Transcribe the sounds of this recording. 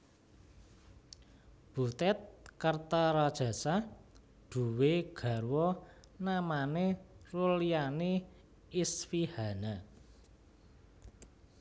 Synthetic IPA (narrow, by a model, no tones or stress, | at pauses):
b̥ut̪ɛt̪̚kərt̪aɾad̥ʒ̥a̤sa | ɖ̪̥ṳweɡ̥a̤ɾwɔ | namanerulianeː | sfiha̤na